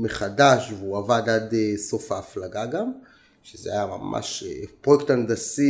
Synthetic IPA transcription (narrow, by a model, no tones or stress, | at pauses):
meχadaʃveuavad̪ad̪eso̞faːflaɡaɡam | ʃezeajama̰mʔa̰ʃḛpʁojektand̪asi